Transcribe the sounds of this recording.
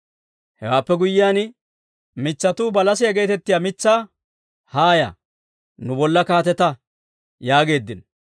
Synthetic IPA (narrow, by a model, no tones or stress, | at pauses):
hɛwaːpːɛɡʊjːɪjaːn | mɪt͡sːɐt̪uːbɐlɐsɪjɐɡe̞ːt̪ɛt̪ːɪjaːmɪt͡sːaː | haːjɐ̰ | nʊbɔlːɐkaːt̪ɛt̪ɐ | jaːɡe̞ːd̪ːɪn